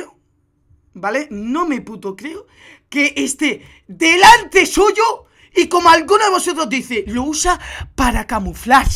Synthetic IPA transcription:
o | balenõme̞put̪okɾeo | keʔest̪e | d̪elant̪e̞suʝo | iko̞moalɡunoðeβo̞sot̪ɾozðiθelousapaɾakamuflaɾ

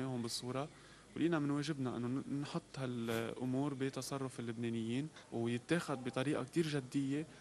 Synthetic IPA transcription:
eːɦʊmbɨsˤːuːɾˤɑ | wlʔiːnamɪnweːʒɪbnaʔɪ̰nːonħʊt̪ˤːhalʔʊmuːɾbit̪ɑsˤɑrˤːʊfɪlːʊbneːnɪjːiːnwjɪt̪ːeːxad̪bɪt̪ˤɑɾiːʔa̰k̚t̪iːɾʒad̪ːɪjːe

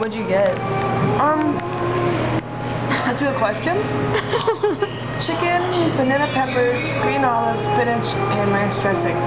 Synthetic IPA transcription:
wəd͡ʒɨɡɛt̚ʌ̃m | tɨəkʰw̥ɛst͡ʃə̃n | t͡ʃɪkɨ̃npʰənɛɾəpʰɛpə˞z̥ɡɹĩːnɔlˠɪvz̥fɪ̃nɪt͡ʃɨ̃nɹɛ̃nstɹ̥ɛsɪ̃ŋ

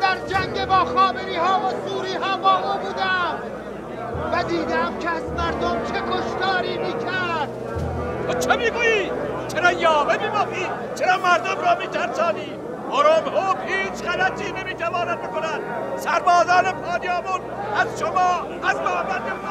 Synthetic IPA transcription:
d̪æɾd͡ʒæŋɟebɒːxɒːbeɾiːhɑːvozuːɾiːɦɒɑːbɒːmɒːbuːd̪æ | væd̪iːd̪eæmkʰeæzmæɾd̪omt͡ʃʰekʰoʃt̪ɒːɾiːmiːkʰæɾɾd̪ | t̪ʰoːt͡ʃʰemiːɡuːji̥ː | t͡ʃʰeɾɒːjɒːvemibɒxiːd̪ | t͡ʃʰeɾɒːmæɾd̪omɾɒːmiːt̪ʰæɾsɒːniː | ʔɒːɾoːmhoːbhiːt͡ʃʰɢælæt̪ʰiːne̞miːt̪ʰævɒːnæd̪̚bekonænd̪sæɾbɒːzɒːnepʰɑːnijɑːmun | æzʃomɒː | æzmæːmænd̪e

